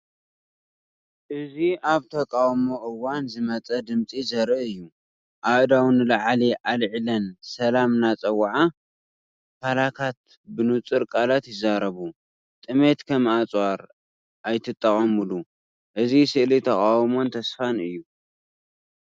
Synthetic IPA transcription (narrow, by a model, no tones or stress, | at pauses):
ʔɨziaβt̪ʰɐkʼawmoʔɨwːanzɨmɐt͡sʼɐd̪ɨmt͡sʼizɐɾɨʔɨjːu | ʔaʔd̪awnɨlaʕliʔalʕlɐnsɐlamnat͡sʼɐwʕa | kʰalat̪ʰat̪ | bɨnut͡sʼɨɾkʼalat̪jɪzːaɾɐβu | t̪ʼɨme̞t̪kʰɐmat͡sʼwaɾ | ʔajt̪ʰɨt̪ʼːɐχʼɐmɨlu | ʔɨzisɨʔlit̪ʰɐkʼawmo̞nt̪ʰɐsfanɨjːu